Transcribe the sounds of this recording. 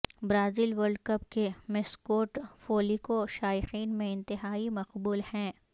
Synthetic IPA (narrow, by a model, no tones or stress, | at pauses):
bɾaːziːlʋəɾɖkɐp̚kemɪskoːʈfoːlikoʃaːjɪxiːnmẽɪ̃nt̪ɪɦaːimɐqbuːlhɛ̃ː